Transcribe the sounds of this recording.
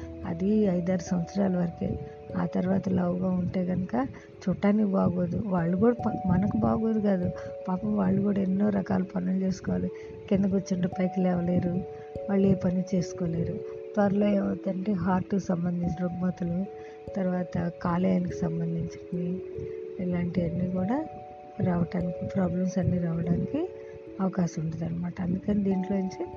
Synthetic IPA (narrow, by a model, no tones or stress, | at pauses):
ɐ̰d̪iɐjd̪aːɾusɐmʋɐt̪sɐɾaːlɐʋɐɾɐkḛː | a̰ːt̪ɐɾuʋaːt̪ɐlɐwuɡaːuɳʈeːɡɐnukɐ | t͡ʃuʈːaːnikbaːɡoːd̪uʋaːɭːukuːɽɐpɐmɐnɐkuba̰ːɡoːd̪uɡaːd̪upaːpɐmʋaːɭːukuːɽaenːo̞ːɾɐka̰ːlupɐnult͡ʃe̞ːsu̥kɔʋaːli | kend̪ukot͡ʃːiɳɖopɐjkɐlɛːʋɐle̞ːɾu | ʋaːɭːeːpɐnit͡ʃe̞ːsu̥koːle̞ːɾut̪ʋɐɾɐloɛːʋɐd̪ɐɳʈeːɦaːɾʈːusɐmbɐnd̪ʱiɲt͡ʃiɾoɡmɐt̪ɐlu | t̪ɐɾuʋaːt̪ɐkaːlɐjaːniki̥sɐmbɐnd̪ʱiɲt͡ʃɐ̥ni | ɛlaːɳʈiɐnːiːkuːɽaː | ɾaːʋɐʈaːnikipɾaːblɐmsɐnːiːɾaːʋɐɽaːniki | ɐʋɐkaːʃɐmuɳɖud̪ɐnːɐmaːʈɐɐnd̪ukɐnid̪iːɳʈlo̞ːiɲt͡ʃe